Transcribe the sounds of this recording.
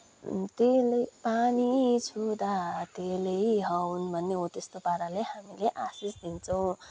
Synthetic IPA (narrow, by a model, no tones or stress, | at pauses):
t̪elejpanit͡sʰud̪at̪elejɦʌwunbʱʌnːeɦot̪est̪opaɾaleɦamileʔasisd̪int͡sʰʌw̃